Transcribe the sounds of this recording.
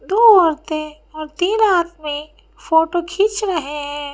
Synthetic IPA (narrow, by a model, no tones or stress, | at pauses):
d̪oːɔɾt̪ẽ | ɔːɾt̪iːnaːt̪ʰmẽ | foːʈokʰit͡ʃɾɐɦeɦɛ̃ː